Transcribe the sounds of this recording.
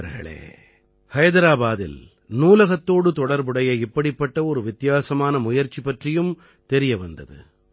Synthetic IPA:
ɐɾɣɐ̰ɭḛː | hɐjðɐɾaːbaːðɪ̰l | nuːlɐɣɐt̪ːoːɽɯt̪ɔɽɐɾbɯɽɐjɐɪpːɐɽɪpːɐʈːɐɔɾɯʋɪt̪ɪjaːsɐmaːnɐmʊjɐɾt͡ʃːipɐʈrɪjɯm | t̪ɛɾɪjɐʋɐnd̪ɐðɯ̰

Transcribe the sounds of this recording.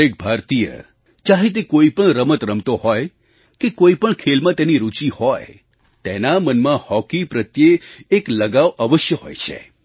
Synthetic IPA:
ek̚bʱaɾt̪ijə̰ | t͡ʃaɦet̪̬ekoipəɳɾəmət̪ɾəmt̪ohɔj | kekoipəɳkʰelmãt̪eniɾut͡ʃihɔj | t̪enamənmãhɔkipɾət̪jeːkləɡaʋəʋəʃjəɦɔ̰jt͡ʃʰḛ

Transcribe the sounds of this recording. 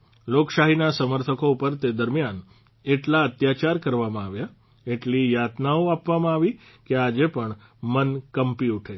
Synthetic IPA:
lokʃaɦinasəməɾt̪ʰəkoupəɾt̪ed̪əɾmjan | eʈlaət̪jat͡ʃaɾkəɾʋamãaʋja | eʈlijat̪naoapʋamãaʋi | kead͡ʒepəɳ | mənkəmpiuʈʰe

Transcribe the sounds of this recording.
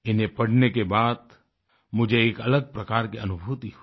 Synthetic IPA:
ɪnẽpɐɽ̤nekebaːd̪ | mʊd͡ʒʱeeːkɐləɡ̚pɾɐkaːɾkeɐnʊbʱuːt̪iɦ

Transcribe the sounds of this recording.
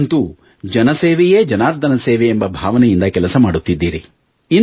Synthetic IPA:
nt̪u | d͡ʒɐnɐseːʋɛje̞ːd͡ʒɐnaːɾd̪ʱɐnɐseːʋɛembɐbʱaːʋɐnɛjind̪ɐkɛlɐsɐmaːɽut̪ːid̪ːiːɾi | i

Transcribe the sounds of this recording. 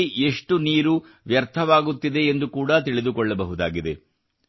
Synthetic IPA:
iʔe̞ʂʈuniːɾu | ʋjɐɾt̪ʰɐʋaːɡut̪ːid̪e̞ːnd̪ukuːɽat̪iɭid̪ukɔɭːɐbɐɦud̪aːɡid̪e̞̰

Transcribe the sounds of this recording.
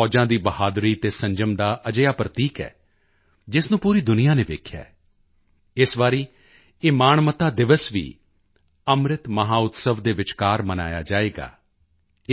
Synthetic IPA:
ɔːd͡ʒãːd̪iːbəhaːd̪ɾiːt̪eːsə̃ɲd͡ʒəmd̪aːʔəd͡ʒəjaːpɾət̪iːkɛ̰ː | d͡ʒɪsnũːpuːɾiːd̪ʊnɪjaːneːʋeːkʰja̰ː | ɪsʋaːɾiː | ɪːmaːnmət̪aːd̪ɪʋəsʋḭː | əmɾɪt̪məɦaːʊt̪səʋd̪eːʋɪt͡ʃkaːɾməna̰ːja̰ːd͡ʒaːeːɡa̰ː

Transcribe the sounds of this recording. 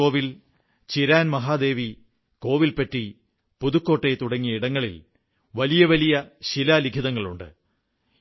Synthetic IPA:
o̞ːʋil | t͡ɕiɾaːnmɐɦaːd̪e̞ːʋi | ko̞ːʋilpɐtːi | puðukːo̞ːʈːejt̪uɽɐŋːijɐiɽɐŋːɐɭil | ʋɐlijɐʋɐlijɐɕilaliɡʰʱiðɐŋːɐɭuɳɖɨ̰

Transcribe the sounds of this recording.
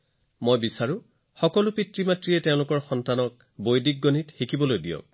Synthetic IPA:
mojbisaɹʊ̃ | xɔkɔlʊpitɹimatɹiɛtɛʊ̃lʊkɔɹxɔntanɔk̚ | bojdik̚ɡonitxikibɔlojdijɔ̰k̚

